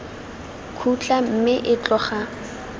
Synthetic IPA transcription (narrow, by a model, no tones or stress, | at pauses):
kʰut͡ɬʼam̩mɪʔɪt͡ɬʼɔχa